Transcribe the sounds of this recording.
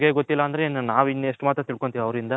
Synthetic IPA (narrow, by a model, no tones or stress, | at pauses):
ɡe̞ɡot̪ːilːɐːnd̪ɐɾennaːʋinːueʂʈmaːt̪ɾɐt̪iɭko̞ɳt̪iːʋiɐʋɾind̪ɐ